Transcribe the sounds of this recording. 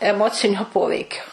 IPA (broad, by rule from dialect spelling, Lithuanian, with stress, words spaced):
ɛˈmoːt͡sʲɪnʲoː ˈpoːʋʲɛɪkʲoː